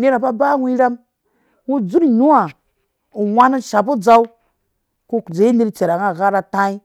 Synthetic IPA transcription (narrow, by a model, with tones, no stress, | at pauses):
ne˦ɾa˨ba˦ba˦wi˦ɾa˦m | wu˦d͡zu˦ɾɲu˦a˨ | u˨wa˦nu˦ʃa˨bu˦d͡za˦u˦ | ko˦˨d͡ze˨i˦ni˦ɾt͡ʃe˨ɾa˨ŋa˦˨ɣa˦ɾa˦ta˦i˦